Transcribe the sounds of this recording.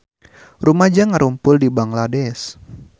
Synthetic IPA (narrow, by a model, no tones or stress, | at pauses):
rumad͡ʒaŋaɾʔumpʊldibaŋladɛs